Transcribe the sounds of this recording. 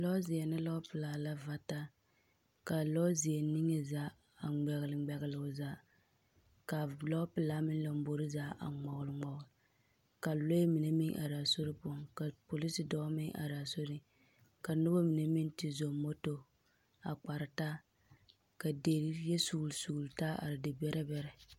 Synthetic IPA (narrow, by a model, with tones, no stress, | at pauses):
lɔ˦zɪ˨ɛ˨nɨ˦lɔ˦pɨ˨laː˨la˦va˨ta˦ | ka˨lɔ˦zi˨ɛ˨ni˦ŋe˦zaː˦ | a˨ŋ͡mɛ˨ɣlɨ˨ɡ͡bɛ˨ɣɪ˨lʊ˨zaː˦ | ka˨lɔ˦pɨ˨laː˦mɪ˦n˦la˨m˦bo˨ɾɨ˦zaː˦ʔa̰˨ŋ͡mɔ˨ɣʊ˨lɨ˨ŋ͡mɔ˨ɡl | ka˨lo˦mi˨ne˦mɪ˦ŋʔa̰˨ɾa˨so˦ɾɪ˦pɔ˦˨ŋka˨po˨li˦si˨dɔ˦mɪ˦ŋʔa̰˨ɾa˨so˦ɾi˦ | ka˨nʊ˦ba˦mi˨ne˦mɪ˦ntɪ˦zo˨mo˦to˦ | a˨k͡pa˨ɾɨ˨ta˦ | ka˨de˨ɾi˦ɛ˦su˨lsu˨lta˦a̰˨ɾɪ˨dɪ˨bɛ˦ɾʔɛ˦bɛ˦ɾɛ˨